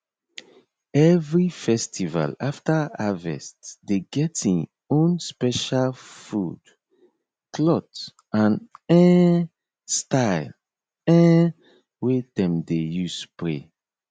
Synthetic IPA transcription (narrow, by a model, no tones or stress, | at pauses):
ɛvɹifɛstʰiva̰laftaavɛ̰stdeɡɛtĩŋ | õnspɛʃalfṵd̥ | kʰlɔt | ãnɛ̃ | staɪl | ɛ̃ | wedɛ̃mdejuspɹe